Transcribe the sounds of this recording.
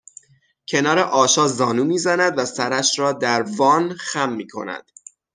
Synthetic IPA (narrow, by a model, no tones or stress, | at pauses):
cʰe̞nɒːɾeʔɒːʃɒːzɒːnuːmiːzænæd̪væsæɾæʃɾɒːd̪æɾvɒːnxæmːiːkʰo̞̰næ̰d̪̥